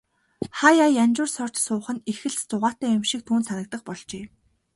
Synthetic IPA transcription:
χajajanʲt͡ɕʊːrsɔr̥t͡ɕsʊːχə̆nexɘ̆ɮt͡st͡sʊʁaːt̪æːʊmʃĭk̚t̪ʰuːnsanə̆k̚t̪ə̆qpɔɮt͡ɕeː

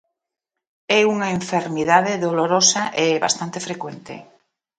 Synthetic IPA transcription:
ɛuŋaeɱfeɾmiðaðeðoloɾosaʔeβa̰st̪ant̪efɾekwent̪ḛ

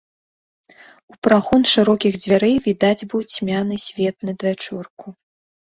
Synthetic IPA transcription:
upɾaxunʂɨɾɔkʲiɣd͡zʲvʲaɾɛjvʲid̪ad͡zʲbɨwt͡sʲmʲanɨsʲvʲɛt̪̚nɨd̪vʲat͡ʂurku

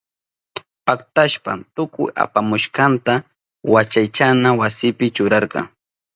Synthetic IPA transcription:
pakt̪aʃpa̰nt̪ʊkʊ̰ja̰pamʊʃqɑnt̪a | wat͡ʃajt͡ʃanawasɪpɪt͡ʃʊɾɑɾqɑ̰ŋ

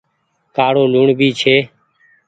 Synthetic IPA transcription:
kaːɽoːluːɳbʱiːt͡ʃʰeː

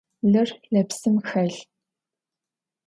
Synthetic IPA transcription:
ɮɨrɮɐpsɨmxɐɮ

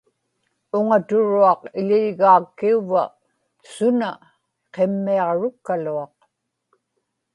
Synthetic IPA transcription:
ʊŋat̪ʊɻuɑqɪʎɪlɣaːkːiuva̰ | sʊna | qe̞mːiɑʁɻʊkːaluɑq

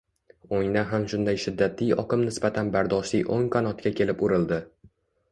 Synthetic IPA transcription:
oŋnaɦamʃʊnd̪ajʃɪd̪ːat̪ijɒ̰qɨmnɪsbat̪ʰanbaɾd̪ɒʃlijʔoŋqʰɒnɒt̪kʲʰakʲe̞lɪpʊɾɪld̪ɪ

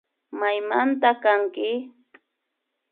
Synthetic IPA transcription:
majmant̪akaŋkɪ

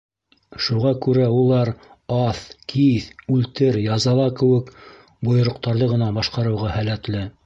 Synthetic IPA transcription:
ʃuʁɑkʉɾæulˠɑɾ | ɑθkʰiθʉlt̪ɘɾjɑzɑlˠɑkɘ̆wɘk | bŏjŏɾŏq̚t̪ɑɾðɤʁɤ̆nɑbɑʃqɑɾɤ̆wʁɑhælæt̪lɘ

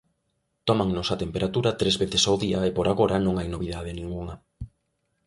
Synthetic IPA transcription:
t̪ɔmaŋnʊsat̪empeɾat̪uɾɐt̪ɾezβeθesawðiɐepoɾaɣoɾɐnõŋajnoβ̞iðað̞ɪnĩŋɡuŋɐ

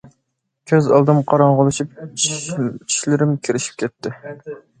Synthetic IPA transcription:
kʲʰøzɑlˠd̪ɨmqʰɑɾɑɴʁəlˠɨʃip̚ | t͡ʃʰi̥ʃlɪɾɪmkʲʰiɾɪʃi̥p̚kʲɛt̪ʰːɪ

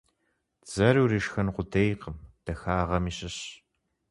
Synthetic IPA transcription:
z̥ɐɾuːrɨʃxɐnqʷʊdʰejqəmd̥ɐxaːʁɐmiːɕɪɕ

